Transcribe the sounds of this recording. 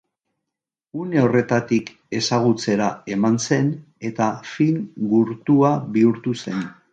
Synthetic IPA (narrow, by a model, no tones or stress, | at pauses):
une̞o̞re̞t̪at̪ik | e̞saɣ̞ut͡se̞ɾae̞manse̞n | e̞t̪afiŋɡuɾt̪uaβiuɾt̪use̞n